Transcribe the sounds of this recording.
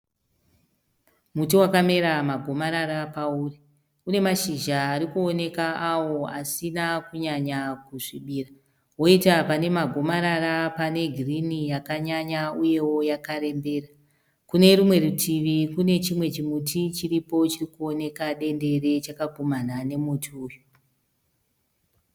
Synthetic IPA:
mut̬iwakame̞ɾamaɡʱo̞maɾaɾapauːri | une̞maʃiʒaːɾikuo̞ne̞kaawo̞asinakuɲaɲakuʐiɓiːra | wo̞itapane̞maɡʱo̞maɾarapane̞ɡʱirinijakaɲaɲauje̞wo̞jakaɾe̞mbe̞ːra | kune̞rumwe̞rutʰiʋikune̞t͡ʃimwe̞t͡ʃimutʰit͡ʃiripo̞t͡ʃirikuo̞ne̞kaɗe̞nde̞re̞t͡ʃakaɡʱomanane̞mutʰuːjo

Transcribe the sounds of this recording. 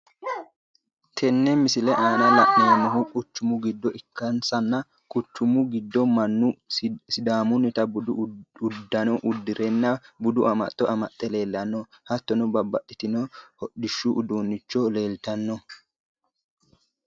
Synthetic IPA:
t̪ʰɛnːɛmɪsɪlɛʔaːnɐlɐʔnenːɔɦukʼʊt͡ʃːʊmʊɡɪd̪ːɔʔɪkːɐnsɐnːɐ | kʼʊt͡ʃːʊmʊɡɪd̪ːɔmɐnːʊsɪd̪aːmʊnɪt̪ɐbʊdʊd̪ːɐnɔʔʊd̪ːɪɾɛnːɐbʊd̪ʊʔɐmɐ̰t̪ʼːɔɐmɐt̪ʼːɛle̞ːlːɐnːɔ | hɐt̪ːɔnɔbɐbːɐtːɪt̪ɪnɔhɔɗɪʃːʊʔːd̪uːnːɪt͡ʃːɔleːlt̪ɐnːɔ

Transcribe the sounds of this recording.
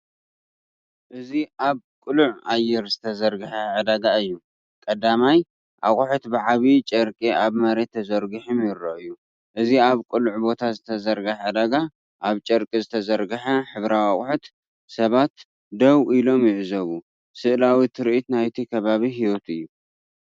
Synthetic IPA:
ʔɨziʔaβ | kʼɨluʕajːɪɾzɨt̪ʰɐzɐɾɡɨħɐʕɨd̪aɡaɨjːu | kʼɐd̪amaj | ʔa̰xʼħut̪bɨʕaβit͡ʃʼɐɾkʼiaβmɐɾe̞t̪ʰːɐzɐɾɡɨħɨmjɪɾːoʔɨjːu | ʔɨziaβkʼɨluʕbo̞t̪ʰazɨt̪ʰɐzɐɾɡɐħʕɨd̪aɡa | ʔaβt͡ʃʼɐɾkʼizɨt̪ʰɐzɐɾɡɐħɐħɨβɾawaχʼħut̪ | sɐβat̪ | d̪ɐwilo̞mjɪʕzɐβu | sɨʔlawit̪ʰɨɾʔit̪najt̪ʰikʰɐβaβiɦiwot̪ɨjːu

